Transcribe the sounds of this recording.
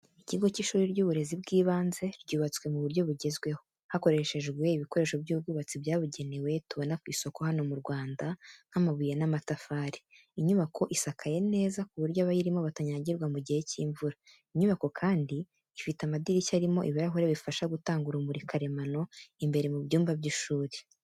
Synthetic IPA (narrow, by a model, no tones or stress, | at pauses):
iciɡo̞ciʃuːɾiɾɟuːβuɾe̞zibɡiːβaːnze̞ɾɟuːβat͡swe̞muβuɾjo̞βuɟe̞zɡwe̞ho̞ | hako̞ɾe̞ʃe̞ʒɡwe̞iβiko̞ɾe̞ʃobjuːb̚ɡuːβat͡sibjaːβuɟe̞newe̞tuβo̞nakwiːso̞ko̞hano̞muɾɡwaːndaŋ̥hamaβujenamatafaːɾi̥ | iɲuβakʰo̞ʔisakʰaje̞ne̞ːzakuβuɾɟoβajiɾimo̞βataɲaɟiɾɡwamuɟihe̞ciːɱvuɾa | iɲuβako̞kʰaːndiː | fitamadiɾicaɾimo̞ʔiβaɾaɦoɾeβifaʃaɡutaːŋɡuɾumuɾikʰaɾe̞mano̞imbe̞ɾe̞mubjuːmbabɟiʃuːɾe